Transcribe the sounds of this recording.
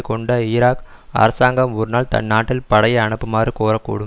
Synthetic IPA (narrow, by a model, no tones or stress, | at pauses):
kɔɳɖɐɪɾaːk | ɐ̰ɾɐsaːŋɡɐmɔɾɯnaːlt̪ɐ̰nːaːʈːɪlpɐɽɐjɐɐɳɐpːɯmaːrɯkoːɾɐkːṵːɽɯm